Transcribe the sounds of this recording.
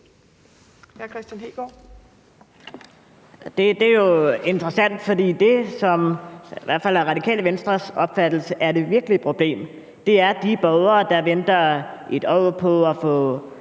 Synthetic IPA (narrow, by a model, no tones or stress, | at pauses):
hækʰʁɛsd̥jænhḛːɡ̥ɒ | d̥e̝d̥e̝jo̝e̝nd̥ʁɐsæn̰d̥fɒ̽d̥ḭːd̥e̝sɒ̽mʋæɐ̰dfæl̰æɐʁɑ̈d̥ikʰɛ̰ːləʋensd̥ʁɐsɒ̽b̥fæd̥l̩səʔæɐd̥e̝ʋiɐɡ̥əlipʰʁo̝b̥le̝̰ːm | d̥e̝æɐd̥ib̥ɒʊðˠɐːd̥ɑ̈ʋend̥ɐe̝d̥ɒʊ̰pʰɒ̽ɒfɔ̰̽ː